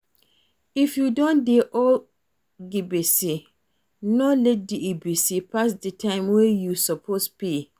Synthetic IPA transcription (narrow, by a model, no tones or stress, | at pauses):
ifjudɔ̃ndɛʔɔl | ɡibesi | nɔ̃lɛt̚diebesipʰasdɪtʰãɪ̃mwɛjusɔpʰosbi